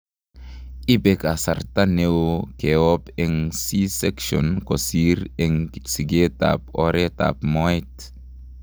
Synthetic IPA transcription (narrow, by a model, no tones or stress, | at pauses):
ibekasa̰rt̪anewokeɔpɛŋsisɛkʃɔ̰nkosiɾɛŋsiɡet̪a̰pɔɾet̪a̰pmɔjt̪